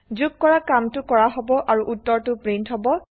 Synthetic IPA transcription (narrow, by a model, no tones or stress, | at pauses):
zuɡ̚kɔɹakamtʊkɔɹaɦɔbɔʔaɹuʔutːɔɹtʊpɹentɦɔbɔ